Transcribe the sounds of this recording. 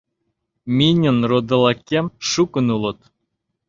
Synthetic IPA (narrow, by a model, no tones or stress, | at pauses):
mʲinʲə̆nrod̪ɤ̆lˠɑkʲːemʃukə̆nulˠɤ̆t̪